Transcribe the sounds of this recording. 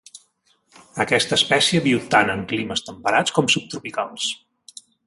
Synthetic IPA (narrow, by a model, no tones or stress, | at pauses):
əkɛst̪əːspɛsiəβiwt̪anəŋkliməst̪əmpəɾat͡skɔmsup̚t̪ɾupikalˠs